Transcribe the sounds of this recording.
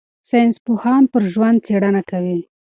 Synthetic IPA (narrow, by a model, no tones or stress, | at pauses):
sɑjnspohɑnpəɾʒwand̪̚t͡seɽanakawi